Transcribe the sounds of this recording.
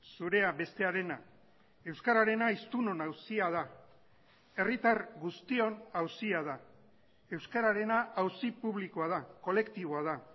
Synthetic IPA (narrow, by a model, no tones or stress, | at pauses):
suɾe̞abe̞st̪e̞aɾe̞na | e̞wskaɾaɾe̞naist̪uno̞nawsiað̞a | e̞rit̪arɣust̪io̞nawsiaða | e̞wskaɾaɾe̞naʔawsipuβ̞likoað̞ako̞le̞kt̪iβ̞o̞aða